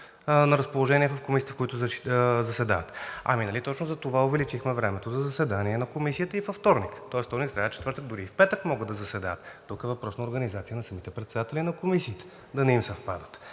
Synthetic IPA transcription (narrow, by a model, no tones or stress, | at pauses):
nɐɾɐspolˠoʒɛniɛfɐfkomisijət̪ə̥kʊit̪ʊzɐsɛd̪a̰vət̪ɐ̰minɐlit̪ɔt͡ʃnoʊzɐt̪ovaovɛlit͡ʃixmɛvɾɛmɛt̪ozɐzɐsɛd̪aniɛnɐkomisijət̪əifɐft̪ɔɾnikt̪ɔɛsft̪ɔɾnikst̪ɾaɛtt͡ʃɛt̪vəɾt̪əɡ̚d̪ʊɾiːfpɛt̪əkmɔɡəd̪ɐzɐsɛd̪aət̪ːukɛvɐpɾɔsnɐoɾɡɐnizat̪sijənɐsɐmit̪ɛpɾɛt̪sɛd̪at̪ɛlinɐkomisiːt̪ɛ̥ | d̪ɐnɛimsɐfpad̪ə̥t̪